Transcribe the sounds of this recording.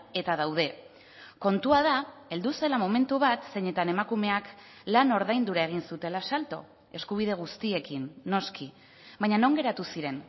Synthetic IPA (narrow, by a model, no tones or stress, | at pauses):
e̞t̪að̞awð̞e̞ | ko̞nt̪uað̞ae̞ld̪use̞lamo̞me̞nt̪uβat̪se̞ɲe̞t̪ane̞makume̞ak | lano̞ɾðajnd̪uɾaeɣ̞insut̪e̞lasalt̪o̞̰ | e̞skuβ̞ið̞eɣ̞ust̪ie̞kinːo̞ski | βajɲano̞ŋɡe̞ɾat̪usiɾe̞n